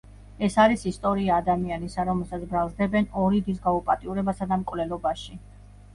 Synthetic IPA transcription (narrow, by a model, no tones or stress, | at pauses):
ɛsaɾisist̪ʼɔɾiaːd̪amianisaɾɔmɛlˠsat̪sʰbɾalˠzd̪ɛbɛnɔɾid̪is̬ɡaupʼat̪ʼiuɾɛbasad̪amkʼvlɛlˠɔbaʃi